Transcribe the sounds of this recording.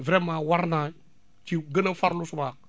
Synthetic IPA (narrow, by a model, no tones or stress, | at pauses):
vɾɛmaːwaɾna | t͡ʃiɡənɐfaɾlusumaːk̚